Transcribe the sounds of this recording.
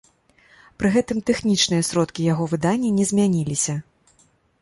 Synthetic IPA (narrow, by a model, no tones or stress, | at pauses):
pɾɨɣɛt̪ɨmt̪ɛxnʲit͡ʂnɨjɐsɾɔt̪kʲijaɣɔvɨd̪anʲːɐnʲɛzʲmʲanʲilʲisʲɐ